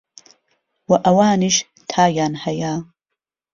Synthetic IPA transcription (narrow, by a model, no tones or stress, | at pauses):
waʔawaːniʃ | tʰaːjaːnhajaː